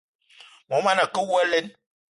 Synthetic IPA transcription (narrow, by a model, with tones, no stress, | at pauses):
mɔ˨˦ma˦na˨kə˦wu˦a˦le˦n